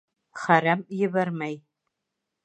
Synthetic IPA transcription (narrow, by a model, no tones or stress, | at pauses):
χɐɾɐmjɪβɐrmɐj